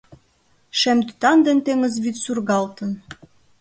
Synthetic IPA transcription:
ʃæmd̪yt̪ɑnd̪ĕnt̪eŋə̆zβyt̪surɣɑlt̪ə̆n

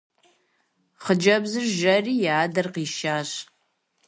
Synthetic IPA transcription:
χəd͡ʒɐbzɨrʒɐriːjaːdɐrqiːʃaːɕ

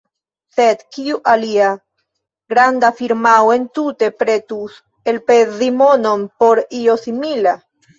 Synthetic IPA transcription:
sed̪kiuʔalia | ɡɾand̪afiɾmawe̞nt̪ut̪e̞pɾet̪us | elpezimononpoɾio̞simila

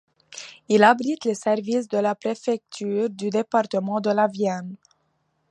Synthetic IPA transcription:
ilabʁit̪lesɛʁvisd̪əlapχefɛk̚t̪ʰyːʁd̪yd̪epaʁt̪əmɑ̃d̪əlavjɛn

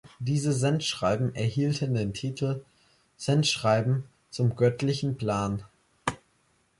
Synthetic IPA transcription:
d̥iːzəzɛntʃʁ̥aɪbm̩ɛɐhiːltʰəndeːntʰiːtʰl̩ | z̥ɛntʃʁ̥aɪbm̩ | t͡sʊmɡœtʰlɪçn̩pʰl̥aːn

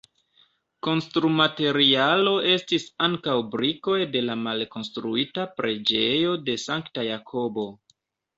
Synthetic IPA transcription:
ko̞nstɾumate̞ɾialo̞e̞stisaŋkawbɾiko̞jde̞lamalko̞nstɾuitapɾe̞d͡ʒe̞jo̞de̞saŋktajakʰo̞bo̞

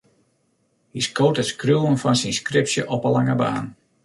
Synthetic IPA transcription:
hiskoːtətskruwənfɔnsinskrɪpsjəʔɔpəlaŋəba̰ːn

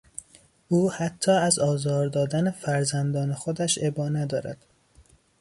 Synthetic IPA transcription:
uːhæt̪ʰːɒːæzɒːzɒːɾd̪ɒːd̪ænefæɾzænd̪ɒːnexod̪æʃebɒːnæd̪ɒːɾæ̰d̪̥

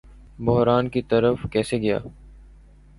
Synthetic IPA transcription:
bʊɦɾaːnkit̪əɾəfkɛːseɡɐja̰ː

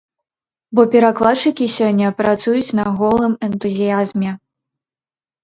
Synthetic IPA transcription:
bɔpʲɛɾaklˠat͡ʂːɨkʲisʲɔnʲːɐpɾat̪sujut͡sʲnɐɣɔlˠɨmɛnt̪uzʲijazmʲɛ

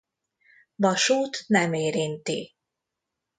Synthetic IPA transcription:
vɒʃuːt̪nɛmeːɾint̪i

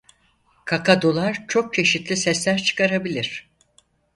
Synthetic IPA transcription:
kʰakʰad̪olˠaɾt͡ʃʰo̞k̚t͡ʃʰe̞ʃit̪lʲisɛslʲæɾt͡ʃʰɯ̥kʰaɾabilʲiɾ̥

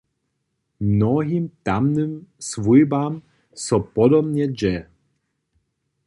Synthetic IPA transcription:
mnɔɦʲimt̪amnɨmsvujbam | sɔpɔd̪ɔbɲɛd͡ʑɛ

